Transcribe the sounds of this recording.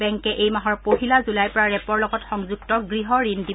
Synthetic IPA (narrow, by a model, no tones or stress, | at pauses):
ɛŋkɛʔejmaɦɔɹpoɦilazulajpɔɹaɹɛpɔɹlɔɡɔtxɔŋzuɡtɔɡɹiɦɔɹindi